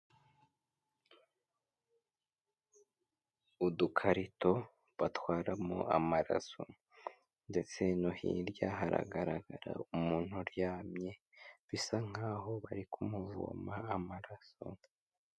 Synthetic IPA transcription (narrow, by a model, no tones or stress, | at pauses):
udukʰaɾito̞ | βatwaːɾamo̰amaɾa̰so | nde̞t͡se̞nohḭɾɟaɦaɾa̰ɡaɾaɡaɾa̰umuːn̥huɾjaːmɲe̞ | βisaŋ̥aːɦo̞βaɾikʰumuvṵmaːmaɾaso̰